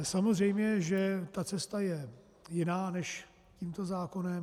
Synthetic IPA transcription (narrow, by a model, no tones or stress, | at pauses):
samozr̝ɛjmɲɛʒɛt̪at͡sɛst̪ajɛ | jɪnaːnɛʃ | ciːmt̪o̞zaːko̞nɛm